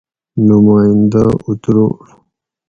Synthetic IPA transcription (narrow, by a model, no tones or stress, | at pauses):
numaːjind̪aut̪ɾo